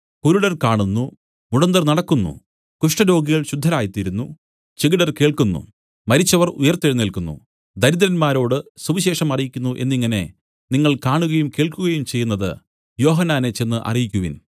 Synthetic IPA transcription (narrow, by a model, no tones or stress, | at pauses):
kuɾuɽɐrkaːɳunːu | muɽɐnd̪ɐrnɐɽɐkːunːṵ | kuʂʈɐɾo̞ːɡiɣɐɭɕud̪ʱːɐɾaːjit̪ːiɾunːu | t͡ɕeɡiɽɐrke̞ːɭkunːṵ | mɐɾit͡ɕːɐʋɐrṵjɐrt̪ːeɻinilkunːṵ | d̪ʱɐɾiðɐɾɐnmaːɾo̞ːɽɨsuʋiɕe̞ːʂɐmɐrijikʲːunːuʔe̞̰nːiŋːɐne̞ | niŋːɐɭkaːɳuɣɐjumke̞ːɭkuɣɐjumt͡ɕe̞jːunːɐðɨ̰ | jo̞ːɦɐnːaːnet͡ɕe̞nːɨʔɐ̰rijikʲːuʋḭn